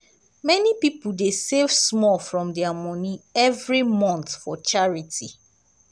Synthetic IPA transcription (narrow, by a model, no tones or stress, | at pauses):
mɛnipipuldesevsmɔlfɹɔ̃mdɛamɔniɛvɹimɔ̃nt̪fɔt͡ʃaɹiti